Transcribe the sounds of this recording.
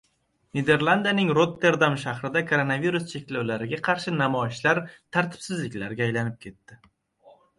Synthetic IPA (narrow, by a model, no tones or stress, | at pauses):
ned̪e̞ɾlˠand̪anɪŋɾot̪ʰːe̞ɾd̪amʃahɾɪd̪akʰoɾo̞naviɾust͡ʃʰe̞kʲlawlaɾɪɡʲaqʰɑɾʃɪnamɒɪʃlaɾt̪ʰaɾt̪ʰɪ̥b̥sɪzlɪkʲlaɾɡʲaːjlanɪp̚kʲʰe̞t̪ːɪ